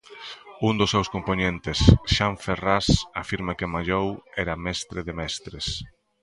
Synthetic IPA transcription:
und̪ʊsːewskomponent̪ɪsʃaɱferasafiɾmakɪmaʎowɛɾamɛst̪ɾɪðɪmɛst̪ɾɪs

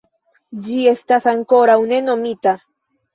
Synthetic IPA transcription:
d͡ʒiest̪asaŋko̞ɾawneno̞mit̪a

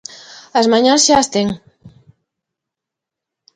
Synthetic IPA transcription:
azmaɲãnzʃast̪eŋ

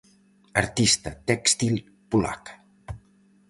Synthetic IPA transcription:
əɾt̪ist̪ət̪ɛkst̪il | pula̰k

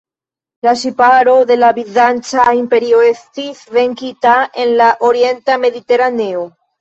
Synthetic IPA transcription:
lasipaɾoðelaβiðant͡ʃaimpeɾjoest̪iθβeŋkit̪aenlaʔoɾjent̪ameðit̪eɾaneo

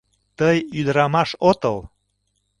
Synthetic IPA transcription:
t̪əjyd̪ɾɑmɑʃot̪əl

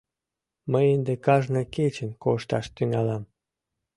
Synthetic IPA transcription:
məjend̪ekɑʒnəket͡ɕənkoʃt̪ɑʃt̪yŋɑlɑm

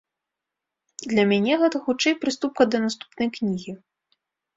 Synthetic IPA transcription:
d̪lʲɐmʲanʲɛɣɛt̪ɐxut͡ʂɛjpɾɨst̪up̚kɐd̪ɐnast̪u̥pnɐjknʲiɣʲi

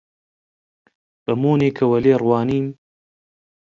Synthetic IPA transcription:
b̥ɐmoːneːkʰɐwɐleːrwɑːniːm

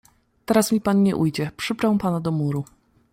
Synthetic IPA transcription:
t̪ɛɾasmʲipanɲɛ̰ʔujd͡ʑɛpʂɘbɾɛwpanad̪ɔmuɾu

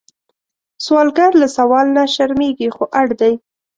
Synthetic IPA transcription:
swɑlɡaɾlasawɑlnaʃaɾmeɡixoʔaɽd̪aj

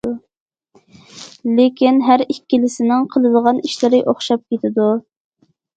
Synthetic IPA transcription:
lekʲinɦæɾikʲːilɪsɪnɪŋqʰəlˠɨd̪əʁɑniʃlɪɾɪʔoχʃɑp̚kʲʰet̪ʰɪd̪u

